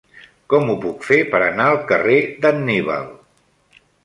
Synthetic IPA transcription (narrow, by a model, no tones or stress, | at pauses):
kɔmupukfepəɾənaəlˠkəred̪ənːiβə̰lˠ